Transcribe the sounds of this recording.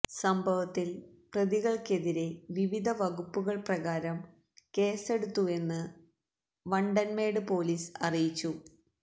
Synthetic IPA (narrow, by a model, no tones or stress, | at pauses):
sɐmbʱɐʋɐt̪ːil | prɐðiɣɐɭke̞ðiɾe̞ʋiʋid̪ʱɐʋɐɣupːuɣɐɭprɐɣaːɾɐm | ke̞ːse̞ɽut̪ːue̞nːɨ | ʋɐɳɖɐnme̞ːɽɨpo̞ːliːsɐrijit͡ɕːu